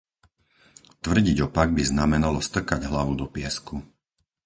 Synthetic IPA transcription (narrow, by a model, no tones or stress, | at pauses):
t̪ʋr̩ɟiɟɔpaɡ̚biznamɛnalɔst̪r̩kaɟɦlaʋud̪ɔpɪɛsku